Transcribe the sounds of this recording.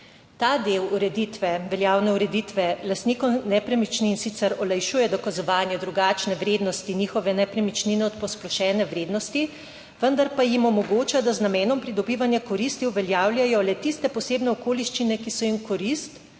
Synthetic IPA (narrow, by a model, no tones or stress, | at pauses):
t̪aːd̪ewuɾɛd̪it̪ʋɛʋɛljaːwnɛuɾɛd̪it̪ʋɛlast̪niːkɔwnɛpɾɛmit͡ʃniːnsit̪sɛɾɔlajʃuːjɛd̪ɔkazɔʋaːnjɛd̪ɾuɡaːt͡ʃnɛʋɾeːd̪nɔst̪iniːxɔʋɛnɛpɾɛmit͡ʃninɛɔt̪pɔsplɔʃɛːnɛʋɾeːd̪nɔst̪i | ʋənd̪aɾpajimɔmɔɡoːt͡ʃad̪aznamɛːnɔmpɾid̪ɔbiːʋanjakɔɾist̪iwʋɛljaːwljajɔlɛt̪ist̪ɛpɔseːbnɛɔkoːliʃt͡ʃinɛkisɔimkɔɾist̪